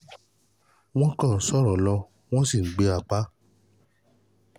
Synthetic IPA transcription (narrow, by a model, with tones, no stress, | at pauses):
w̃ɔ̃˦kã˦˨n̩˨˦sɔ˦˨ɾɔ˨lɔ˧ | w̃ɔ̃˦si˦˨˦ɡ͡be˧a˧˨k͡pa˨˦